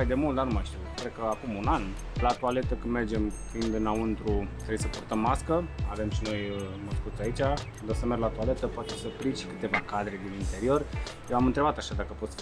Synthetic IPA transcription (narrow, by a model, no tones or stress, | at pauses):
ajd̪e̞mult̪d̪anumajʃt̪iwkɾed̪̚kəakumunan | lat̪uale̞t̪əkɨnme̞rd͡ʒe̞mkeind̪enaɨnt̪ɾut̪ɾebjsəpurt̪əmːaskəave̞mʃino̞jəməskut̪sait͡ʃʲa | d̪osəme̞rɡlat̪uale̞t̪əpoat̪esəpɾiʃkɨt̪e̞vakad̪ɾe̞d̪inint̪e̞ɾio̞r | jewamɨnt̪ɾe̞bat̪aʃad̪akəpo̞t̪sʲ